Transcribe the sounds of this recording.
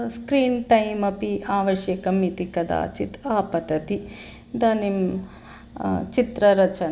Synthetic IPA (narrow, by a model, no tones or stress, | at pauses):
skɾiːnʈɐjmɐpiaːʋɐʃjɐkɐmit̪ikɐd̪a̰ːt͡ʃit̪aːpɐt̪ɐt̪i | d̪ɐnim | t͡ʃit̪ɾɐɾɐt͡ʃɐn